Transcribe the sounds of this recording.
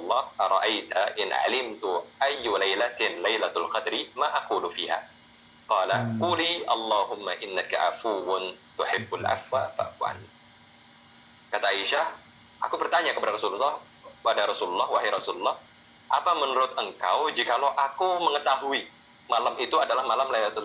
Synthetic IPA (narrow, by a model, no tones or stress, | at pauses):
lˤːɑhaɾˤɑʔajt̪aʔɪnʔa̰lɪmt̪uʔajːulajlat̪nlajlaalqɑd̪ɾimaʔaquːlufiha̰ | qɑːlaquːliːʔɑlˤːɑːɦʊmːaʔɪnːaka̰ʔa̰fuwʊnt̪ʊħɪbːalʔa̰fwafa̰ʔfua̰ni | kat̪aʔaiʃah | ʔa̰kubərt̪aɲakəpadaɾɑsululːɑh | əpadaɾˤɑsululːɑhwaɦaɾɑsululːɑh | ʔapamənuɾʊt̪əŋkawd͡ʒikalawʔakuməŋət̪aɦui | malamit̪uadalahmalamlajlat̪